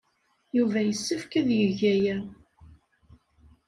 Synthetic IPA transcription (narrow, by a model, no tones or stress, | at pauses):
juvæjəsːəfkæðjəʝæjæ